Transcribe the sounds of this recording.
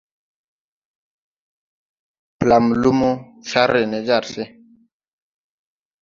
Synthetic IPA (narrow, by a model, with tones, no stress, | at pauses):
pla˨m˨lu˦mo˦ʃa˦ɾe˨ne˨d͡ʒa˦˨ɾse˦